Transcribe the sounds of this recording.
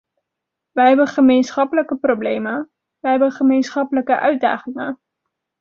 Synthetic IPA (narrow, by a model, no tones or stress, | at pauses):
ʋəɦɛbəχəmejnsχɑpələkəproblejmə | ʋəɦɛbənχəmejnsχɑpələkəʔœɥ̚da̰ːχɪŋə̰